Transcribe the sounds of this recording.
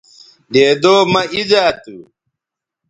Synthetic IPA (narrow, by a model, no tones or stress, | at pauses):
ɖeːd̪oːmɐid͡ʑaːt̪u